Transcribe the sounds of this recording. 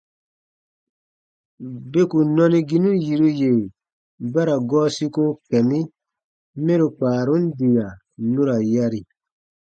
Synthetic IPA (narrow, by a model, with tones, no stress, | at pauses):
be˦ku˨nɔ˦ni˦ɡi˦nu˦ji˨ɾu˦je˨ | ba˦ɾa˨ɡɔː˦si˦ko˦kɛ˨mi˦ | me˦ɾu˨k͡paː˨ɾu˦n˦di˨ja˨ | nu˦ɾa˨ja˦ɾi˨